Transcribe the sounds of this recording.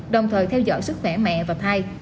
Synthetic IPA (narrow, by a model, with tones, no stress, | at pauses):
ɗə˨˩wŋ͡mt̪ʰəː˨˩jt̪ʰɛ˧wzɔ̰˧˥jsɨ˦˥k̚xwɛ˧˩mɛ̰˧˨vaː˨˩t̪ʰaː˧j